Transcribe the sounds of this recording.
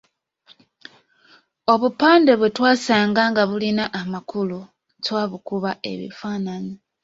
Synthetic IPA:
o̞βupaːnde̞βwetwaːsaːŋɡaŋɡaβulinaʔamakulu | ntwaːβukuβae̞̰βḭfanani

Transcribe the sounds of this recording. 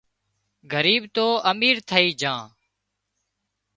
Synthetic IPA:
ɡʱəɾiːbt̪oːʔəmiːɾt̪ʰəiːd͡ʒãː

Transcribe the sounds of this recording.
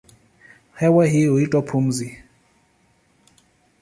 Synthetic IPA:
hɛwaɦioitʼɔpʰum̩zi

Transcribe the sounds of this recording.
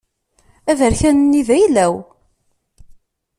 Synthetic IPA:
ævəɾçænənːivæjlæw

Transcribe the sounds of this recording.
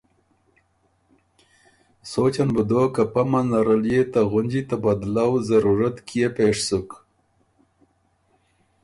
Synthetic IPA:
sot͡ʃanbəd̪oːkapamanaɾəljet̪aɣʊnd͡ʒit̪abad̪lawzaɾuɾat̪kijepeʂsuk

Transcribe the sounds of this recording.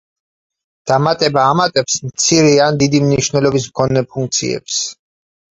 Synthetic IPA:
d̪̥amat̪ʼɛbaːmat̪ʼɛpsmt̪sʰiɾiand̪id̪imniʃvnɛlɔbis̬mkʰɔnɛpʰuŋk̚t̪sʰḭɛ̰ps

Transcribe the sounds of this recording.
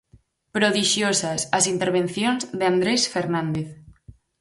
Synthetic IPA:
pɾoðiʃjosasazint̪eɾβ̞enθjonzðeand̪ɾesfeɾnand̪eθ

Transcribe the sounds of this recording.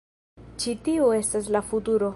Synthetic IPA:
t͡ʃitiue̞stas̬lafutuɾo̞

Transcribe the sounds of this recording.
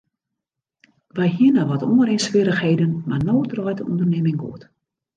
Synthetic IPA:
ʋajɦiənaʋɔtonəɾensʋɪɾəxheːdənmanoːdrɔjtəṵndərnɪmɪŋɡo̰ət

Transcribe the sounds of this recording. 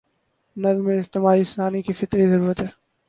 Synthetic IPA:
nɐzmẽɪst̪emaːɾisaːnikifɪt̪ɾizɐɾuːɾət̪ɦɛː

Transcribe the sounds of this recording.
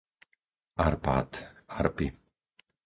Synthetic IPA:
aɾpa̰ːt̪aɾpi

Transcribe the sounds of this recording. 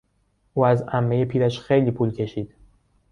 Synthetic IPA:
ʔuːæzæmːe̞je̞pʰiːɾæʃxe̞jliːpʰuːlcʰe̞ʃiːd̪̥

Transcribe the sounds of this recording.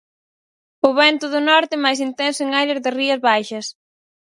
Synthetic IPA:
ʊβɛnt̪ʊðʊnɔɾt̪ɪmajsint̪ɛnsʊɪŋajlɪɾðɪriɐzβajʃɐs

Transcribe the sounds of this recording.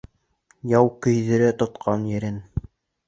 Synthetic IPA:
jɑwkɵ̆jðɘ̆ɾæt̪ŏt̪qʰɑnjɘ̆ɾɘn

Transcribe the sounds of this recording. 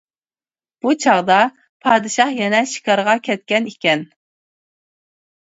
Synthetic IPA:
b̥ut͡ʃʰɑʁd̪ɑ | pʰɑːd̪ɨʃɑhjɛnɛʃi̥kɑɾʁɑkʲʰɛt̪̚kʲɛnikʲɛn

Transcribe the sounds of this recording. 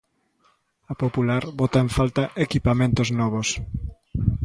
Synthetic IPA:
ɐpopulaɾβɔt̪aẽɱfalt̪aʔekipamẽnt̪oznɔβ̞os

